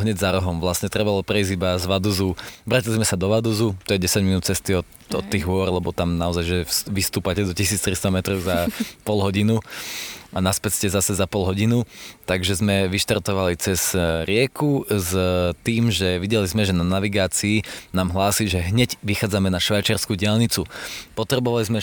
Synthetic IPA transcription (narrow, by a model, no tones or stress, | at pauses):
ɦɲɛɟzaɾɔɦɔmʋlasɲɛt̪ɾɛbalɔpɾɛizibazʋad̪uzuʋɾacilizmɛsad̪ɔʋad̪uzut̪ɔjɛɟɛsaɟminuːt̪̚t͡sɛst̪iɔ | ɔ̰t̪ːiːɣʋʊɔɾlɛbɔt̪amnaɔzajʒɛʋist̪uːpacɛd̪ɔcisiːt͡st̪ɾist̪amɛt̪ɾɔʊzapɔlɦɔɟinu | anaspɛtscɛzasɛzapɔlɦɔɟinut̪aɡʒɛzmɛʋiʃt̪aɾt̪ɔʋalit͡sɛz̥ɾɪɛkuzt̪iːmʒɛʋiɟɛlizmɛʒɛnanaʋiɡaːt͡siːnaːmɦlaːsiʒɛɦɲɛɟʋixaːd͡zamɛnaʃʋajt͡ʃɪaɾskuːɟɪalɲit͡supɔt̪ɾɛbɔʋalizmɛ